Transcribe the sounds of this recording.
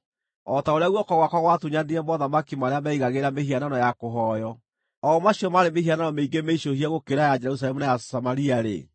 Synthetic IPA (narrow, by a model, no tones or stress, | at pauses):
ɔtaoɾeaɣwɔkɔɣwakaɣwatuɲandiɛmɔðamakimaɾeamɛiɣaɣeɾameɦiananɔjakoɦɔjɔ | ɔːmaɕiɔmaɾemehiananɔmeiɡemeiʃohiaɣokeɾajad͡ʒɛɛɾus̬alɛmunajasamaɾiaɾḛ